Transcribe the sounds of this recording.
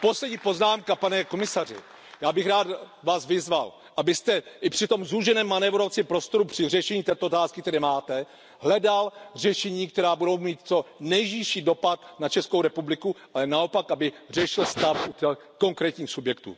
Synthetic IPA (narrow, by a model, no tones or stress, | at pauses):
po̞slɛɟɲiːpo̞znaːmkapanɛko̞mɪsarɪ̰ | jaːbɪxɾaːt̪vaːsvɪzval | ʔabɪst̪ɛʔɪpr̥ɪt̪o̞mzuʒɛnɛːmːanɛvɾoft͡sɪmpɾo̞st̪o̞ɾupr̝̥ɪrɛʃɛɲiːt̪ɛːt̪oʔot̪aːskɪk̚t̪ɛɾɛːmaːt̪ɛ | ɦlɛdalrɛʃɛɲiːk̚t̪ɛɾaːbudo̞wmiːt̪̚t͡so̞nɛjʒiʃiːdo̞pat̪nat͡ʃɛskowɾɛpublɪkuʔalɛnao̞pakʔabɪr̝ɛʃɪlst̪afut̪ɛ | ko̞ŋkɾɛːt̪ɲiːxsubjɛk̚t̪ṵː